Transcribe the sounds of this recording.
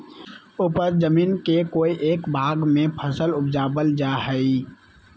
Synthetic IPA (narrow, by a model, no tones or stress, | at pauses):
ʊːpəɾd͡ʒəmiːnkekoːiʔeːkbʱaːɡmẽpʰəsəlʊpd͡ʒaːbəld͡ʒaːɦɛi